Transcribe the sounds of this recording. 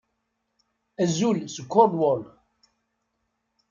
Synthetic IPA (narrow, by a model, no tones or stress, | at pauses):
æzulskːɔɾd̪wɔl